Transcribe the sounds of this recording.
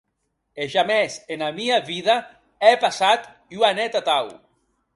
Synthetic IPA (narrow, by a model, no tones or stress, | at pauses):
eʒamɛsenamiaβiða | ɛpasat̪ | uanɛt̪at̪aw